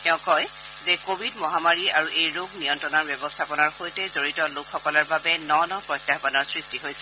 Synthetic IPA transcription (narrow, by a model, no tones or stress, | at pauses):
tɛʊ̃kɔj | zɛkobʱidmɔɦamaɹiaɹuʔejɹoɡnijɔntɹɔnaɹbjɛbɔstʰapɔnaɹxojtɛzoɹitɔlokʰxɔkɔlaɹbabɛnɔnɔpɹɔjtːaxbanɔɹsɹistiɦojsɛ̥